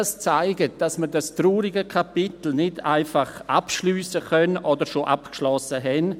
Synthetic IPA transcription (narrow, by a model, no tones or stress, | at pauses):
st͡saɪɡət̚d̥asməɾdastɾuːɾɪɡəkʰapɪtl̩nɪdʰa̰ɪfaχʔa̰pʃlyːsəkœnʔɔdəɾʃoʔapkʃlɔsəɦɛn